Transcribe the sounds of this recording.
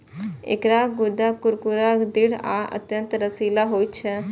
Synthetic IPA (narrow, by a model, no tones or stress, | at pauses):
ɪ̰kɾaːɡʊd̪aːkʊɾkuɾaːd̪ɪɽaːʔə̰t̪jə̃nt̪ɾəsiːlaːɦoːit͡ʃʰɛ